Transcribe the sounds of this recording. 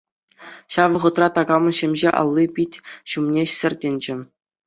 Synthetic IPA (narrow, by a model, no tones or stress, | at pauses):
ɕɑʋɤ̆ʁɤ̆t̪rɑt̪ɑɡɑmɤ̆nɕemʲʑeʔɑ̰lˠːipʲitʲɕumnʲesʲɘ̆rʲdʲenʲd͡ʑɘ̆